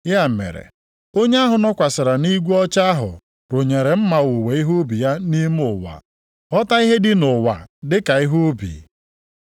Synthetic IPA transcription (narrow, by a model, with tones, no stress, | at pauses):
ja˦˨mḛ˨ɾḛ˨ | o˦ɲe˦a˦ɦʊ˨nɔ˦kʷa˨sɪ˨ɾa˨ni˦ɡʷu˦ɔ˦t͡ʃa˦a˦ɦʊ̰˨ | ɾo˨ɲe˨ɾe˨m̩˦ma˨wo˨we˨i˦ɦo˦bi˨ja˦ni˦m˦ʊ˨wa̰˨ | ɔ˦ta˦i˦ɦe˦dɪ˦nʊ˨wa̰˨dɪ˦ka˨ɪ˦ɦo˦bḭ˨